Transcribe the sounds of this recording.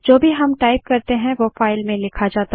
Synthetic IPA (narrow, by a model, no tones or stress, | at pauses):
d͡ʒoːbʱiɦɐmʈaːɪp̚kɐɾt̪eɦɛ̃ʋofaːɪlmẽlɪkʰad͡ʒaːt̪a